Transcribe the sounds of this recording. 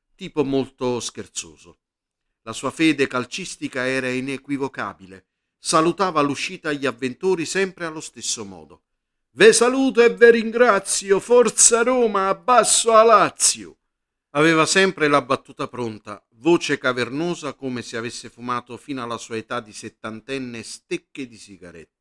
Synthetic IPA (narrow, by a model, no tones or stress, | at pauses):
t̪iːpomolt̪ʊsk̟ert̪so̰ːzo̰ | lasuːafɛːd̪ekalt͡ʃist̪ikaɛːɾainekwivoka̰ːbile | salut̪aːvaluʃːiːt̪aʎːiavːent̪uːɾisɛmpɾealːost̪ɪsːomɔ̰ːd̪o̰ | vesaluːt̪oɛvːɪɾiŋɡɾat̪sjofɔrt̪saɾoːmaːbːasːoalat̪sːjʊ̰ | avɛːvasɛmpɾɪlabːat̪ːuːt̪apɾont̪a̰ | voːt͡ʃekavernɔːzakomesɪavesːɪfumaːt̪ʊfiːnalasuːaet̪ad̪iset̪ːant̪ɛnːest̪ekːed̪isiɡa̰ɾɛ̰t̪ː